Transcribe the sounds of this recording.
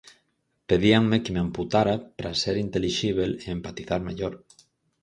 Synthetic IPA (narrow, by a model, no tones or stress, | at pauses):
peðiaŋmekemamput̪aɾapɾaseɾint̪eliʃiβ̞eleempat̪iθaɾmeʎoɾ